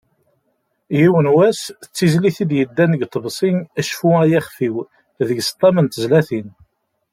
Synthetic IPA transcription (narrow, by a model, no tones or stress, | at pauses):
jiwənwæsət͡sːizliθid̪jəd̪ːænəɡt̪ˤːəbsˤinæʃfuæjæχfiw | ðəɡst̪ˤːɑmənt̪əzlæθin